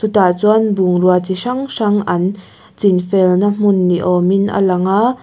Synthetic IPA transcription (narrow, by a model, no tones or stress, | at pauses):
sut̪at͡suanbuŋruat͡siʂɐŋʂɐŋʔɐn | t͡sinfɛlnam̥ʊnːiʔɔminʔa̰lɐŋa